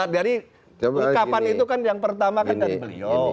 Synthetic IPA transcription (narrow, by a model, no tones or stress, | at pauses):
adaɾi | ukapanit̪ukanjaŋpərt̪amakandaɾibəlḭo